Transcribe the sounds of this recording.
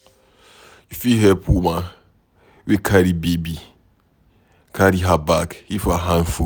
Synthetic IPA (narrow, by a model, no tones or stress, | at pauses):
jufiɦɛpuma | wekʰaɾibebi | kʰaɾiɦabakhifaɦãn̩fu